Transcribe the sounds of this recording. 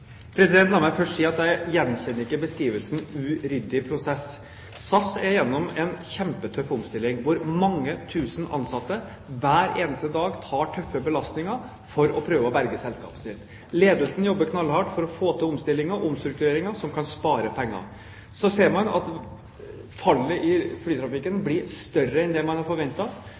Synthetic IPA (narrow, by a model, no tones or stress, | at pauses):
pʰɾɛsɪd̪ɛnt̪lɑːɾmæɪfœʂʈsiːɑt̪jæɪjɛnːçɛnːəɾɪkːəbəskɾiːʋəlsn̩ʉɾʏd̪ɪpʰɾʊsɛs | sɑsɛɾjɛnːɔmɛnçɛmpət̪ʰœfɔmst̪ɪlːɪŋʋʊɾmɑŋːət̪ʰʉːsnʔɑ̰nsɑt̪ːə | ʋæːɾeːnəst̪əd̪ɑːɡt̪ʰɑːʈʰœfːəbəlɑst̪nɪŋɑ | fɔɾɔpʰɾøːʋəɔbæɾɡəsɛlskɑ̰ːpə̥sɪt̪ | leːd̪əlsən̩jɔbːəkʰnɑlhɑʈfɔɾɔfoːt̪ɪlɔmst̪ɪlːɪŋəɔmst̪ɾʉk̚t̪ʉɾeːɾɪŋɑsɔmkʰɑnspɑːɾəpʰɛŋːɑ̰ | sɔseːɾmɑnɑ̰t̪ | fɑlːəʔɪflyːt̪ʰɾɑfɪkːənblɪɾst̪œrəɛnd̪ɛmɑnhɑɾfɔɾʋɛnt̪ɑ